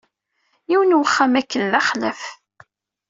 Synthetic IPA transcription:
jiwənwχːamækːəlːɑχləf

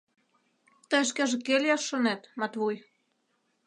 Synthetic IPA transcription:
t̪əʃ̬kæʒĕkelʲjɑʃːɤ̆net̪mɑt̪βuj

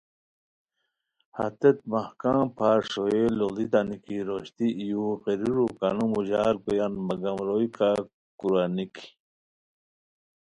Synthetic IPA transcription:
ha̰t̪et̪̚mahkãːpʰaːɾʂoelolit̪anikiɾoɕt̪iːjuqeɾiɾukanumuʑaːɾkojanmɐɡamɾojka | kuɾaniki̥

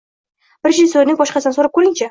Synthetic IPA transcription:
bɾeʒɪsoɾnɪŋbɒʃqɑsɪnɪsoɾap̚kʰɵɾɪŋt͡ʃʰa

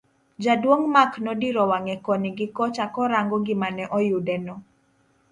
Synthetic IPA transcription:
d͡ʒadwoŋmaknɔdiɾɔwaŋɛkɔniɡɪkɔt͡ʃakɔɾaŋɡɔɡɪmanɛʔɔjʊdɛnɔ

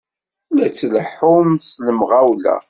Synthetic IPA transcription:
læt͡sːləħʊmθləmʁawlæ̰

